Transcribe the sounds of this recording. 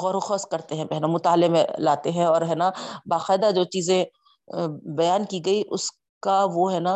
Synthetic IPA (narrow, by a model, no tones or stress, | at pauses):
ɣɔːɾoxɔːs̚kɐɾt̪eɦɛ̃bɛɦnamʊt̪aːlemḛ̃laːt̪eɦɛ̃ɔːɾɦɛːnabaːqaːɪd̪ad͡ʒoːt͡ʃiːzẽ | bɐjaːnkiɡɐiʔʊ̰s | kaʋoɦɛːna